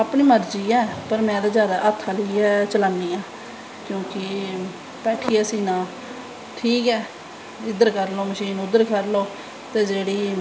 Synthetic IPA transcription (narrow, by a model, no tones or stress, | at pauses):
apɳiːməɾd͡ʒiːɛːpəɾmɛ̃ːd̪aːzjaːd̪aːʔət̪ʰːaːləiːɛːt͡ʃəlaːnːiːãː | kjõːkɪ | pɛːʈʰːiːəsĩːnãː | ʈʰiːkɛː | ɪd̪əɾkəɾloːməʃiːnʊd̪əɾkəɾloː | t̪eːd͡ʒeːɽiː